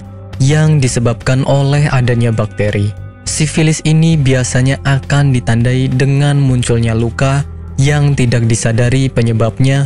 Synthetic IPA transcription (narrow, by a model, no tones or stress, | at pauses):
jaŋdisəbap̚kanʔolɛɦadaɲabak̚t̪eɾʔi | sifilɪsinibiasaɲaʔakandit̪andaidəŋanmuɲt͡ʃʊlɲaluka | jaŋt̪idak̚disadaɾipəɲəbap̚ɲa